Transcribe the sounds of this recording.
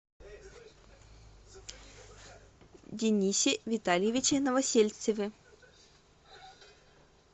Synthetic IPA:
dʲɪnʲisʲɪvʲɪt̪alʲjɪvʲɪt͡ɕɪnəvɐsʲelʲt̪səvʲɪ

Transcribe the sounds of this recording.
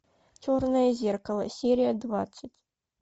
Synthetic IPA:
t͡ʃornəjəzʲerkɐlˠə̰sʲeɾʲɪjəd̪va̰t̪sːɨtʲ

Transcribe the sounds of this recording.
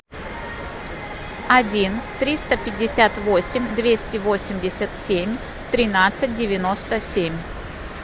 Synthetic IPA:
ɐdʲint̪ɾʲist̪əpʲɪdʲːɪsʲat̪vo̞sʲɪmʲd̪vʲesʲtʲɪvo̞sʲɪmʲdʲɪsʲət̪sʲemʲ | t̪ɾʲɪnat̪sɨt̚ʲdʲɪvʲɪno̞st̪əsʲemʲ

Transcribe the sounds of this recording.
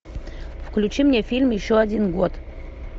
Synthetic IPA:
fklʲʉt͡ɕimnʲefʲilʲmjɪɕːoɐdʲinɡot̪

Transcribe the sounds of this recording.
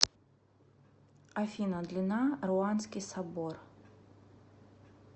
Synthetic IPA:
ɐfʲinɐd̪lʲɪnarʊanskʲɪjsɐbor

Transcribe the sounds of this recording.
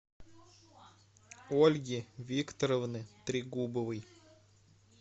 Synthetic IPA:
olʲɡʲivʲikt̪əɾəvnɨt̪ɾʲɪɡubəvɨj

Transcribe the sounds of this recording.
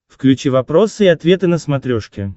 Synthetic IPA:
fklʲʉt͡ɕivɐpɾo̞sɨɪɐt̪vʲe̞t̪ɨnəsmɐt̪ɾʲoʂkʲɪ

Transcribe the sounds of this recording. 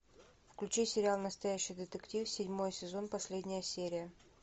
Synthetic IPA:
fklʲʉt͡ɕisʲɪɾʲɪalˠnəst̪ɐjæɕːɪjd̪ʲɪt̪əktʲifsʲɪdʲmo̞jəsʲɪzo̞npɐsʲlʲedʲnʲɪjəsʲeɾʲɪjə

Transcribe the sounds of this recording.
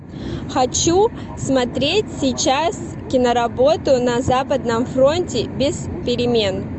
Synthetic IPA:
xɐt͡ɕu | smɐt̪ɾʲetʲsʲɪjt͡ɕas | kʲɪnəɾɐbo̞t̪ʊnɐzapəd̪nəmfɾo̞nʲtʲɪbʲɪs | pʲɪɾʲɪmʲe̞n

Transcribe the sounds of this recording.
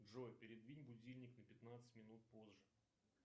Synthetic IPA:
ʐojpʲɪɾʲɪd̪vʲinʲbʊdʲilʲnʲɪknəpʲɪt̪nat̪sɨ̥tʲmʲɪnut̪̚pozʐɨ

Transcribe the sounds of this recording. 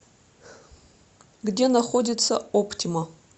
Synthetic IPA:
ɡdʲe̞naχo̞dʲit͡sʰːɐ̰opʰtʲʰimɐ

